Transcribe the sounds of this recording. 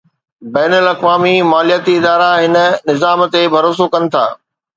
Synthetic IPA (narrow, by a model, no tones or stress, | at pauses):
bɛːnəlɐkʋaːmimaːlijət̪iɪd̪aːɾaɦɪnə̆nɪzaːmt̪ebʱɐɾoːs̬okɐnɪ̆t̪ʰa̰ː